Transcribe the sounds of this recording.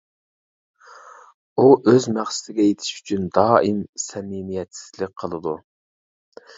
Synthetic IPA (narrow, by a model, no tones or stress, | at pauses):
uʔøzmæχsɪ̥t̪ɪɡʲɛjet̪ʰɪ̥ʃy̥t͡ʃʰynd̪ɑːimsɛmimijɛt̪sɪ̥zlɪk̚ʲqʰəlˠɨd̪u